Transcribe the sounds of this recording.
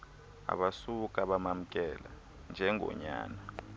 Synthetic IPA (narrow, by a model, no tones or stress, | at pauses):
a̰ɓasuk̬ʼaɓamam̩kʼɛla | nd͡ʒʱɛŋʱɔ̰ɲa̰ːna